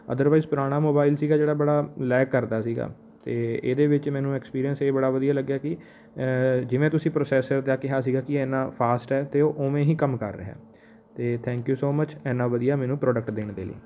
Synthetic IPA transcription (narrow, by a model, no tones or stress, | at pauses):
ə̰d̪əɾʋaːizpʊɾaːɽ̃aːmoːbaːɪlsiːɡaːd͡ʒeːɽaːbəɽaːlɛːkːəɾd̪aːsiːɡa̰ː | t̪eːeːd̪eːʋɪt͡ʃmɛːnũːɛːkspiːɾiənseːbəɽaːʋəd̪ijaːləɡːjaːkɪ | d͡ʒɪʋẽːt̪ʊsĩːpɾoːsɛːsəɾd̪aːkɪɦaːs̬iːɡaːkɪɛːnãːpʰaːsʈɛːt̪eːoːʔoːmẽːɦĩːkəmkə̰ɾːə̰ɦɛ̰ː | t̪eːt̪ʰɛ̃ːŋkjuːsoːmət͡ʃɛːnãːʋəd̪ijaːmɛːnũːpɾɔːɖək̚ʈd̪eːɳd̪ḛːlḭː